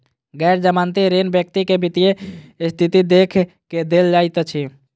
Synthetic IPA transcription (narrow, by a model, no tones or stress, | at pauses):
ɡɛɪɾd͡ʒəmant̪iɾenbjək̚t̪ikebit̪ijest̪ʰit̪id̪ekʰ | ked̪eld͡ʒajt̪t͡ʃʰi